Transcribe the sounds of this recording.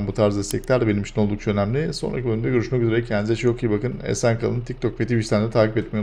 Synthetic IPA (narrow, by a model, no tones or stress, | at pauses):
nbut̪ʰaɾzd̪ast̪ʰɛcʲlʲæɾd̪ɛbeimiʃʰinolˠd̪ukt͡ʃʰaø̞næmlʲɪso̞nɾa̰cʰiølʲymd̪ɛɟøɾyʃmɛcyzeɾecʰænd̪izɛt͡ʃjo̞kʰɯjɯbakɯnɛ̰sænkʰa̰lˠɯnt̪ic̚t̪ʰo̞kfet̪ibiʃt̪ʰænd̪ɛt̪ʰaːcipɛt̪̚me